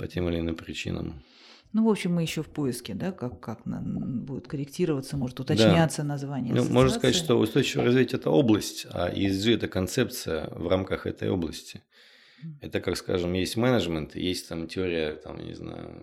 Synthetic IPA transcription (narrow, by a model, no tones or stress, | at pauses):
pɐtʲemɨlʲɪnɨmpɾʲɪt͡ɕḭnə̰m | nuvo̞pɕɪmːɨjɪɕːofpoɪskʲɪd̪akakːaknabudʲɪt̪kəɾʲɪktʲiɾəvət̪səmo̞ʐɨt̪ʊt̪ɐdt͡ɕ̪anʲat̪sənɐzvanʲɪjnumoʐnəskɐzatʲʂt̪oʊ̰st̪o̞jɪt͡ɕɪvə̰ɾɐzvʲitʲɛt̪əo̞blˠəsʲtʲa̰ʔɪzʐɨɛt̪əkɐnt̪sɛpt̪sɨjə̰vramkəxɛ̰t̪ə̰jo̞̰blˠəsʲtʲɪ̥ | ɛt̪əkakska̰ʐɨmjesʲtʲmɛnəʐmʲɪnt̪ɨ̰jesʲtʲt̪amtʲɪoɾʲɪjət̪a̰mja̰nʲɪ̰zna̰jʊ̰